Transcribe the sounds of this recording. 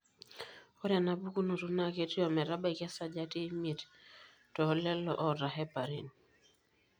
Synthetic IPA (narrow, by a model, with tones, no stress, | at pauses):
ɔ˦ɾja˨na˨˦bu˦ku˦nu˨tu˦na˦˨ke˦ti˦ɔ˨mɛ˨ɾa˦ba˦i˨ka˦sa˦d͡ʒa˦ti˦mi˨t | tɔ˨˦lɛ˦lɔ̰˨ʔɔ˨ɾa˨ɦɛ˦pa˨ɾi˦˨n